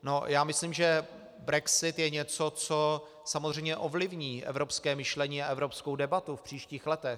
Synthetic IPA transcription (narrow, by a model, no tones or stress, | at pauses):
no̞jaːmɪslimʒɛ | bɾɛksɪt̪jɛɲɛt͡so̞t͡so | samozr̝ɛjmɲɛʔovlɪvɲiːʔɛ̰vɾo̞pskɛːmɪʃlɛɲiːaʔɛvɾo̞pskowdɛbat̪ufpr̝̥iːʃciːxlɛt̪ɛx